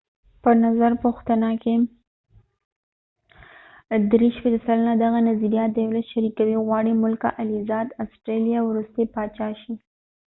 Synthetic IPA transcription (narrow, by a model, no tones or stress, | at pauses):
pənazaɾpoxt̪anake | d̪ɾeʃpet̪asalənad̪aɣanaziɾijɑt̪̚d̪ajwlat̪ʃaɾikawiɣwɑɽimʊlka̰ʔalizɑd̪asʈɾelijawɾust̪epɑt͡ʃɑʃi